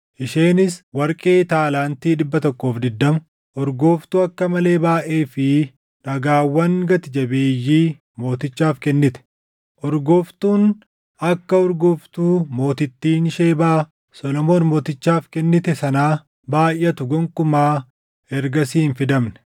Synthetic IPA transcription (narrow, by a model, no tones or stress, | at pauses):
ʔɪʃeːnɪswɐɾkʼe̞ːt̪aːlaːnt̪iːᶑɪbːɐt̪ɔkːoːfd̪ɪd̪ːɐm | ʔɔɾɡoːft̪uːɐkːɐmɐle̞ːbaːʔe̞ːfɪ | nɐɡaːwːɐŋɡɐt̪ɪd͡ʒɐbeːjːiː | mo̞ːt̪ɪt͡ʃːaːfkɛnːɪt̪ɛ̥ | ʔɔɾɡoːft̪uːn | ɐkːɐɔɾɡʊft̪uːmo̞ːt̪ɪt̪ːiːnʃeːbaː | sɔlɔmo̞ːnmo̞ːt̪ɪt͡ʃːaːfkɛnːɪt̪ɛsɐnaː | baːjʔːɐt̪ʊɡɔŋkʼʊmaː | ɛɾɡɐsiːnfɪd̪ɐmnɛ̥